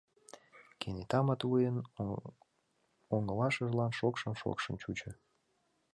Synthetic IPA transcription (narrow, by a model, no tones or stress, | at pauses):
kʰenet̪ɑmət̪vujən | oŋəlɑʃəʒlɑnʃokʃəmʃo̰kʃə̆mt͡ɕut͡ɕə̆